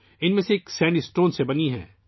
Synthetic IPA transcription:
ɪnmẽseːksɛ̃ːɳɖisʈoːnsebɐniɦɛ̰̃ː

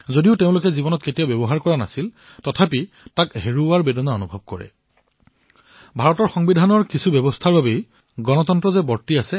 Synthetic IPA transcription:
zodiʊteʊ̃lʊkɛzibɔnɔt̚ketiabjɔbɔɦaɹkɔɹana̰sil | tɔtʰapi | takɦeɹuaɹbedɔnaonubʱɔb̚kɔɹɛ̰ | bʱaɹɔtɔɹxɔŋbidʱanɔɹkisʰubɛbɔstʰaɹbabej | ɡɔnɔtɔntɹɔzɛbɔɹtiasɛ

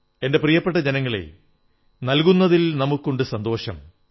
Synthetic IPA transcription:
e̞nde̞prijɐpːeʈ̬ːɐd͡ʑenɐŋːɐɭḛ | nɐlkunːɐðilnɐmukːoɳɖɨsɐnd̪o̞ːɕɐm

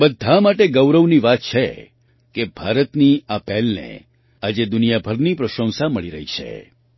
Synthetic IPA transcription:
bəd̪ʱamaʈeɡəwɾəʋniʋat̪̚t͡ʃʰḛ | kebʱaɾət̪niapɛlnḛ | ad͡ʒed̪ʊnijabʱəɾnipɾəʃə̃w̃saməɭiɾəɦit͡ʃʰḛ

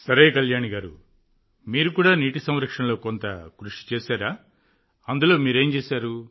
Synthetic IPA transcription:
sɐɾejkɐljaːɳiɡaːɾṵ | miːɾukuːɽaːniːʈisɐmɾɐkʂɐnlo̞ːkont̪ɐkɾuʂi̥t͡ʃeːsaːɾaː | ɐnd̪ulo̞ːmiːɾe̞ːmt͡ʃeːsaːɾu

